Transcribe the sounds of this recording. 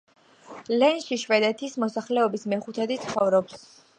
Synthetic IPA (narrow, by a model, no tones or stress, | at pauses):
lɛnʃiʃvɛd̪ɛt̪ʰismɔsaχlɛɔbismɛχut̪ʰɛd̪it̪sʰχɔvɾɔps